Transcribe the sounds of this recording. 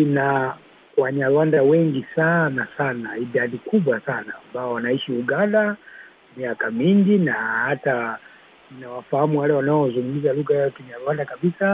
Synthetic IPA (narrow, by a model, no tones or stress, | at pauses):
ina | waɲalwandawɛŋɡisanasanaiɗaɗikuɓwasanaːmbaɔwanaiʃiuɡanda | miakamiŋɡinahata | inawafahamuwalɛwanaɔzuŋɡumizaluɣajaɔkuɲalwandakaɓisa